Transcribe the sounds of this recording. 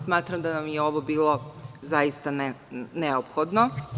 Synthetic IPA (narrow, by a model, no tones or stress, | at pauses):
smaːt̪ɾamd̪anamjeo̞ʋobiːlˠozajist̪anneopxod̪no